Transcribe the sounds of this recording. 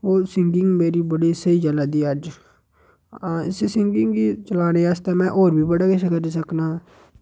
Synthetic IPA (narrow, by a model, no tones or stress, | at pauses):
oːsɪŋɡɪŋɡmeːɾiːbəɽiːsəiːd͡ʒəlaːd̪iːəd͡ʒ | ɪsesɪŋɡɪŋɡiːt͡ʃəlaːneːast̪eːmɛ̃ːʔoːɾbʱiːbəɽaːkɪsekəɾiːs̬əknaː